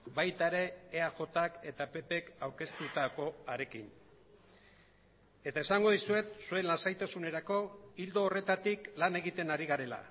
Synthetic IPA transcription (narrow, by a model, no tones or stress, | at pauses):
bajt̪aeɾe̞ːaʝo̞t̪ake̞t̪ape̞pe̞kawɾke̞st̪ut̪ako̞aɾe̞kin | e̞t̪ae̞saŋɡo̞ðisue̞t̪sue̞nlansajt̪asune̞ɾako̞ild̪o̞ːre̞t̪at̪iklane̞ɣ̞it̪e̞naɾiɣaɾe̞la̰